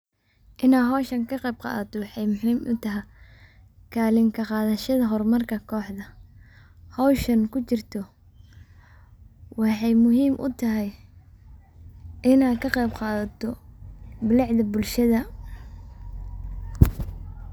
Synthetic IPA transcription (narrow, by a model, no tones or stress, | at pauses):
ʔɪnaːɦɔːʃɐŋkʰɐqɑjbqɑ̰ːðɐt̪ʰɔwɑħɑjmʊħiːmʊt̪ʰɐɦɛ | kʰaːlɪŋkʰɐqɑːðɐʃɐðɐɦɔrmɐrkʰɐkʰɔːħd̪ɐ | hɔwʃɐnkʰʊt͡ʃɪrt̪ʰɔ | wɑħɑjmʊɦiːmʔʊ̰t̪ʰɐɦɛj | ʔɪnaːd̪kʰɐqɑjbqɑːðɐt̪ʰɔ | bɪlɪʕðɐbʊlʃɐðɐ